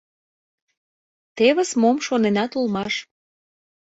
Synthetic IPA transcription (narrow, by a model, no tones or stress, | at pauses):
t̪eβə̆smomʃonenɑt̪ulmɑʃ